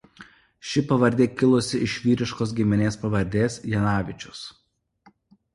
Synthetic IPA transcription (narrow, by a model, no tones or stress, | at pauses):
ʃʲɪpɐʋɐɾʲd̪ʲeːkʲɪlˠʊsʲɪʔɪʃʲʋʲiːɾʲɪʃkoːs̬ɡʲɪmʲɪnʲeːspɐʋɐɾʲd̪ʲeːsjɛnɑːʋʲɪt͡ʃʲʊs